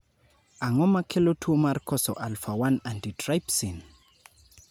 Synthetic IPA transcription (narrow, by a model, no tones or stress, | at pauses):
aŋɔmakʰelotʰuomarkɔsɔ̰ʔalfawanantitrajpsin